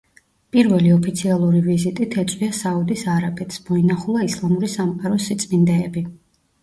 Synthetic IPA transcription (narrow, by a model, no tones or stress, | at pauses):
pʼiɾvɛliɔpʰit̪sʰialˠuɾivizit̪ʼit̪ʰɛt̪sʼwiasaud̪isaɾabʼɛt̪ʰsmɔinaχulˠaislˠamuɾisamqʼaɾɔsit̪sʼmind̪ɛɛbi